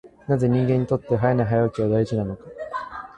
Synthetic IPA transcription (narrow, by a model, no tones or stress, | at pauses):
naze̞ɲ̟ĩŋɡẽ̞ɲ̟ːit̪o̞t̪ːe̞ɦajanaɦajakʲiβad̪ait͡ɕinano̞ka